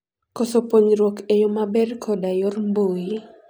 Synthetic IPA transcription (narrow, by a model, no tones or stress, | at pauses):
kosopoɲɾwɔkejomabɛrkʰɔdajormboji